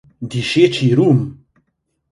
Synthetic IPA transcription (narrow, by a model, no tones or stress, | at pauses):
d̪iʃet͡ʃʰiɾum